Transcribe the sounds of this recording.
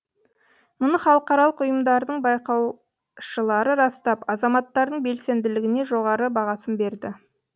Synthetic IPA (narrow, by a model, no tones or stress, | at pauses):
mʊnəχɑlˠəqɑɾɑlˠəqʊjəmd̪ɑɾd̪əɴbɑjqɑw | ʃəlˠɑɾəɾɑst̪ɑpɑzɑmɑt̪ːɑɾd̪əɴbe̞lse̞nd̪ɪlɪɡʲɪne̞ʒo̞ʁɑɾəbɑʁɑsənbe̞ɾd̪ɪ